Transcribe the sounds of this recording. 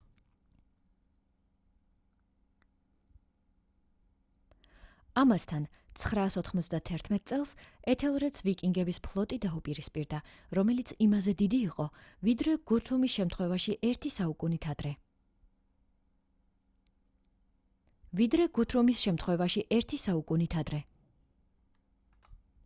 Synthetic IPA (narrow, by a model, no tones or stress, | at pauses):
amast̪ʰan | t̪sʰχɾaːsɔt̪ʰχmɔt̪sʰd̪at̪ʰɛɾt̪ʰmɛt̪ʼt̪sʼɛlˠsɛt̪ʰɛlˠɾɛt̪sʰvikʼiŋɡɛbispʰlˠɔt̪ʼid̪aupʼiɾispʼiɾd̪a | ɾɔmɛlit̪sʰimazɛd̪id̪iːqʼɔvid̪ɾɛɡ̥ut̪ʰɾumisʃɛmt̪ʰχwɛvaʃiʔɛɾt̪ʰisaukʼunit̪ʰad̪̥ɾɛ | vid̪ɾɛɡ̥ut̪ʰɾumisʃɛmt̪ʰχwɛvaʃiʔɛɾt̪ʰisaukʼunit̪ʰad̪ɾɛ